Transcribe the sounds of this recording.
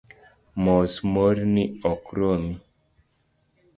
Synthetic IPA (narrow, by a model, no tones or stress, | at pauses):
mɔsmoɾniɔkɾomi